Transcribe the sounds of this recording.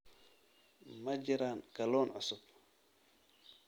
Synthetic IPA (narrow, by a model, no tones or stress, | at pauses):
mɐd͡ʒɪɾaːnkɐlɔːnʕʊsʊb̚